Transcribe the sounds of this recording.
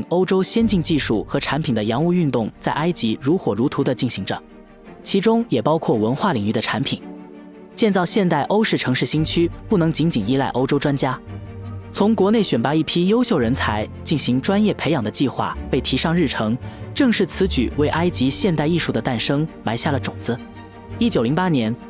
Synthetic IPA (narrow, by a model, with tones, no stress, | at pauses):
ŋo˥ʊʈ͡ʂo˥ʊɕjɛ˥nt͡ɕi˥˧ŋt͡ɕi˥˧ʂu˥˩xɤ˧˥ʈ͡ʂʰa˧˥npʰi˨˩nd̪ə˦jɑ˧˥ŋu˥˧y˥˧nt̪ʊ˥˩ŋt͡sa˥˩ɪʔa˥ɪt͡ɕi˧˥ɻu˧˥xwɔ˨˩ɻu˧˥t̪ʰu˧˥d̪ə˧t͡ɕi˥˩nɕi˧˥ŋʈ͡ʂə̰˧ | t͡ɕʰi˧˥ʈ͡ʂʊ˥ŋjɛ˨˩pɑ˥ʊkʰwɔ˥˩wə˧˥nxwa˥˩li˨˩ŋy˥˩d̪ə˩ʈ͡ʂʰa˧˥npʰi˨˩˦n | t͡ɕjɛ˥˧nt͡sɑ˥˧ʊɕjɛ˥˧nt̪a˥˩ɪʔo˥ʊʂɻ̩˥˩ʈ͡ʂʰɤ˧˥ŋʂɻ̩˥˩ɕi˥ŋt͡ɕʰy˥pu˥˩nɤ˧˥ŋt͡ɕi˧˥nt͡ɕi˨˩ni˧˥la˥˩ɪʔo˥ʊʈ͡ʂo˥ʊʈ͡ʂwa˥nt͡ɕja˥ | t͡sʰʊ˧˥ŋkwɔ˧˥ne˥˩ɪɕɥɛ˨˩npa˧˥i˥˩pʰi˥jo˥ʊɕjo˥˩ʊɻə˧˥nt͡sʰa˧˥ɪt͡ɕi˥˩nɕi˧˥ŋʈ͡ʂwa˥njɛ˥˩pʰe˧˥ɪjɑ˨˩ŋd̪ə˦t͡ɕi˥˧xwa̰˥˩pe˥˩ɪt̪ʰi˧˥ʂɑ˥˧ŋɻ̩˥˩ʈ͡ʂʰɤ˧˥ŋʈ͡ʂɤ˥˧ŋʂɻ̩˥˩t͡sʰɹ̩˧˥t͡ɕy̰˨˩we˥˩ɪʔa˥ɪt͡ɕi˧˥ɕjɛ˥˧nt̪a˥˧i˥˧ʂu˥˩d̪ə˩˦t̪a˥˩nʂɤ˥ŋma˧˥ɪɕja˥˩lə˩ʈ͡ʂʊ̰˨˩ŋt͡sɹ̩˧˥ | i˥t͡ɕjo˨˩ʊli˧˥pa˥njɛ˧˥n